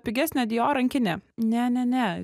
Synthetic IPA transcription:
pʲɪɡʲæsʲnʲɛd̪ʲɪjoːɾɐŋʲkʲɪnʲɛnʲɛnʲɛnʲɛ

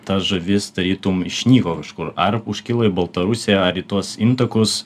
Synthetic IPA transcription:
t̪ɐsʒɐʋʲɪsd̪ɐɾʲiːt̪umɪʃʲnʲiːkoːkɐʃkʊɾɐɾʊʃʲkʲɪlˠɐɪbɐlˠt̪ɐɾʊsʲejɛɐɾit̪uɔsɪnt̪ɐkʊs

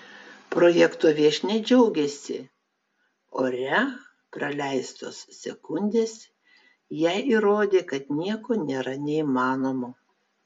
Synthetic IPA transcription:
pɾoːjɛkt̪oːʋʲiɛʃʲnʲɛɪd͡ʒʲɛʊɡʲɛsʲɪ̰ | oːɾʲɛ | pɾɐlʲɛɪst̪o̰ːssʲɛkʊnʲd̪ʲeːs | jɛɪʔiɾoːd̪ʲeːkɐt̪nʲiɛkoːnʲeːɾɐnʲɛimɑːnoːmo

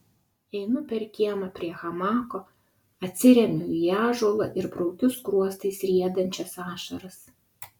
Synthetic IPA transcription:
ɛɪnʊpʲɛɾʲkʲiɛmɐpʲɾʲiɛxɐmɑːkoː | ɐt̪ʲsʲɪɾʲɛmʲʊjæːʒoːlˠɐʔɪɾbɾɔʊkʲʊskɾuɔst̪ɐɪsɾʲiɛd̪ɐnʲt͡ʃʲɛsɑːʃɐɾɐs

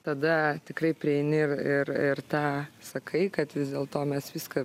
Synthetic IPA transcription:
t̪ɐd̪ɐt̪ʲɪkɾɐɪpʲɾʲɪɛɪnʲɪɪrɪrɪrt̪ɑːsɐkʰɐɪkɐt̪ʋʲɪzd̪ʲeːlˠt̪oːmʲɛsʋʲiːskɐ

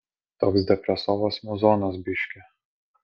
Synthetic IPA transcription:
t̪oːksd̪ʲɛpʲɾʲɛsoːʋosmuzɔːnɐsbʲɪʃʲkʲɛ

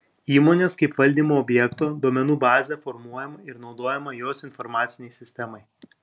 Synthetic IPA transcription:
iːmoːnʲeːskɐɪpʋɐlʲd̪ʲiːmoːɔbʲjɛkt̪oːd̪uɔmʲɛnuːbɑːzʲɛfɔɾmuɔjɛmɐɪɾnɒʊd̪oːjɛmɐjoːsɪnfɔɾmɑːt̪sʲɪnʲɛɪsʲɪsʲt̪ʲɛmɐɪ

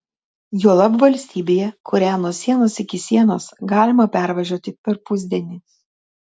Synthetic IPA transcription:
juɔlˠɐpʋɐlʲsʲt̪ʲiːbʲeːjɛkʰʊɾʲæːnuɔsʲiɛnoːsɪkʲɪsʲiɛno̰ːsɡɑːlʲɪmɐpʲæˑɾʋɐʒʲuɔt̪ʲɪpʲɛɾpʊzʲd̪ʲiɛnʲɪ

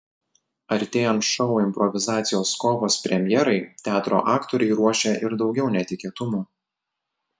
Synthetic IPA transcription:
ɐɾʲt̪ʲeːjɛnt̪ʃɔʊɪmʲpɾɔʋʲɪzɑːt̪sʲɪjoːskɔːʋoːspʲɾʲɛmʲjɛɾɐɪt̪ʲæːt̪ɾo̰ːʔɑːkt̪oɾʲɛɪɾuɔʃʲɛʔɪɾd̪ɒʊɡʲɛʊnʲɛt̪ʲɪkʲiːt̪ʊmuː

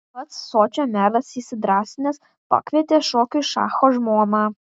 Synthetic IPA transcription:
pɐt̪sːoːt͡ʃʲoːmʲæːlɐsiːsʲɪd̪ɾɑːsʲɪnʲɛs | pɑ̰kʋʲiɛt̪ʲeːʃoːkʲʊʃɑ̰ːxoːʒmoːmɑː

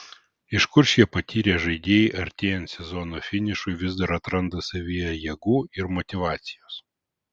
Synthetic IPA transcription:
ɪʃkʊɾʃʲiɛpɐt̪ʲiːɾʲeːʒɐɪd̪ʲeːjɪʔɐɾʲt̪ʲeːjɛnt̪sʲɛzɔnofʲɪnʲɪʃʊɪʋʲɪzd̪ɐɾɐt̪ɾɐnd̪ɐsɐʋʲijɛjiɛɡuːɪɾmɔt̪ʲɪʋɑːt̪sʲɪjoːs

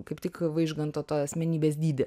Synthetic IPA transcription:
kɐɪpt̪ʲɪkʋɐɪʒɡɐnt̪oːt̪oːɐsʲmʲɛnʲiːbʲeːsd̪ʲiːd̪ʲɪ

